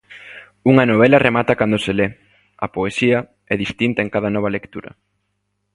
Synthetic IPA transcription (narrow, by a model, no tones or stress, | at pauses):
uŋɐnoβ̞ɛlɐremat̪ɐkand̪osele | ɐ̰poesiɐ | ɛðist̪int̪ɐeŋkaðɐnɔβ̞ɐlekt̪uɾɐ̰